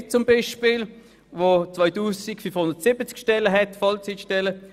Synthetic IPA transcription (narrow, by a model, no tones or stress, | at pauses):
t͡sʊmbiʃpil | ʋot͡sʋɔɪtuːsikfynfhʊndətsɪbət͡skʃtɛləɦɛtfɔlt͡sitʃtɛlə